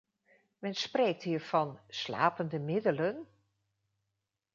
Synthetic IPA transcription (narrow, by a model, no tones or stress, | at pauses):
mɛnsprejk̚tɦiːɹv̥ɑnsla̰ːpəndəmɪdələn